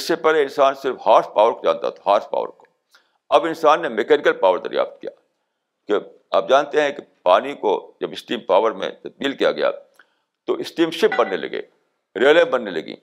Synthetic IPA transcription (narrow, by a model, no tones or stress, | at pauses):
ɪsːepɛːleɪnsaːnsɪɾfhaːɾspaːʋəɾkod͡ʒa̰ːnt̪a̰t̪ʰɦaːɾspa̰ːʋə̰ɾko̥ | ɐbɪnsaːnːemekɛːnɪkəlpaːʋəɾd̪ɐ̰ɾija̰ːft̪̚kijaː | ke | a̰ːp̚d͡ʒaːnt̪eɦɛ̃kepaːnikod͡ʒɐbɪsʈiːmpaːʋəɾmḛ̃t̪ɐd̪̚biːlkija̰ɡɐja̰ː | t̪oʔɪsʈiːmʃɪp̚bɐnːelɐ̰ɡḛː | ɾeːlẽbɐnːelɐɡḭ̃ː